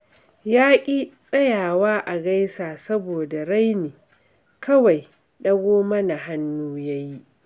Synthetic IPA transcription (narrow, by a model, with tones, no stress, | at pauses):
jaː˦kʲʼi˦sʼɐ˦jaː˨waː˦ʔa˨ɡa˦jsaː˨sɐ˦boː˨da˨ɽa˦jniː˨ | kɐ˦wa˨j | ɗɐ˦ɡʷoː˦mɐ˦na˨ɦa˦nːuː˦ja˦ji˦ʔ